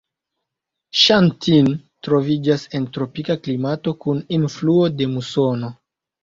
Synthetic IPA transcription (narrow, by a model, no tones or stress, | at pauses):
ʃantintɾo̞vid͡ʒase̞ntɾo̞pikaklimato̞kuninfluo̞de̞muso̞no̞